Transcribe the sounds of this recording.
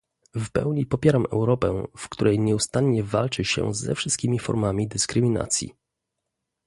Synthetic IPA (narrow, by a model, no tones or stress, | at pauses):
fpɛ̰wɲipɔpʲjɛɾamʔɛ̰wɾɔpɛfkt̪uɾɛjɲɛust̪anɲɛvalt͡ʂɘɕɛ̰zɛ̰fʂɘ̥ɨst̪̚kʲimʲifɔ̰ɾmamʲid̪ɘskɾɘmʲina̰t̪sʲjḭ